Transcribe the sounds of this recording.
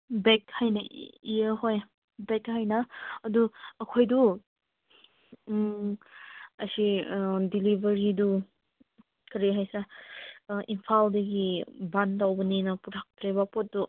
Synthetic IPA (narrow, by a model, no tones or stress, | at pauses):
bek̚hajnaijəɦoj | bekhajnaːduːkʰojdu | ɐsidilibɐɾidu | kɐɾiɦajsɾa | ʔimpʰaldɐɡibantawbɐninɐpuɾʰak̚tɾebapot̚du